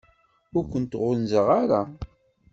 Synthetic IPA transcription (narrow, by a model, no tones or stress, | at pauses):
ʊɾkʷənt̪ʁʊnzəʁaɾa